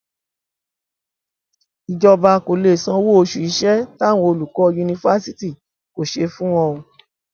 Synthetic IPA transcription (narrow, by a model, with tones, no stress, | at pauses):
i˨d͡ʒɔ˧ba˧˨ko˨le˨sã˧wo˦o˧ʃu˧i˧ʃɛ˦ta˦˨w̃ɔ̃˧o˧lu˨kɔ˦˧ju˧nĩ˧fa˦si˦ti˦˨ | ko˨ʃe˧fũ˦w̃ɔ̃˧o˧